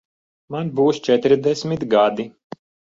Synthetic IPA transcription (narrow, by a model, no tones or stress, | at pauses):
manbuːst͡ʃɛt̪ɾd̪ɛsʲmʲit̪ɡad̪i